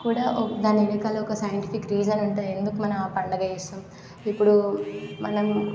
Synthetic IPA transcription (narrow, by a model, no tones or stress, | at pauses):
kuːɽaːd̪aːnenikaːlɐɔkɐsɐjɐɳʈifikɾiːd͡ʒɐnɐɳʈeːe̞nd̪ukumɐnɐmpɐɳɖɐɡɐesaːm | ipːuɽumɐnɐm